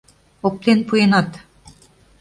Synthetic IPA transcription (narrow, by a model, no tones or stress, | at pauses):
ok̚t̪enpujenɑt̪